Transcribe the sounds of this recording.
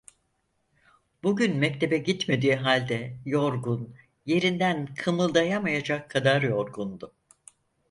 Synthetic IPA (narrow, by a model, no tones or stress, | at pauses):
b̥uɟynmɛc̚t̪ʰe̞bɛɟit̪me̞d̪iːɦalʲd̪ɛjo̞ɾɡun | je̞ɾind̪ænkʰɯmɯlˠd̪ajamajad͡ʒakʰːad̪aɾjo̞ɾɡund̪ʊ